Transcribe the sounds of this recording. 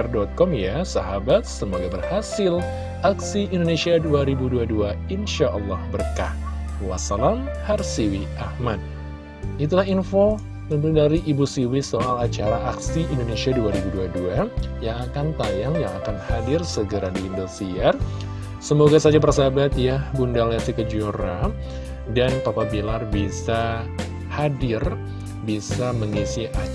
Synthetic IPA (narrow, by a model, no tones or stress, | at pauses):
rdɔt̪̚kɔmjasaɦabat̪̚səmoɡabərhasɪl | aksiʔindonesiaduaɾibuduaduainʃaʔɔlːɑhbərka̰h | wa̰salamharsiwiʔahmad̚ | it̪̬ulahɦinfo | t̪ənt̪uŋdaɾiʔːbusiwisoʔalat͡ʃaɾaʔaksiindonesiaduaɾibuduaduajaŋakant̪ajaŋjaŋakanhadɪrsəɡəɾadiːndusiar | səmoɡasad͡ʒabərsabat̪̚jabundalasikəd͡ʒoɾa | danpapabilarbisa | hadɪr | bisaməŋisiʔa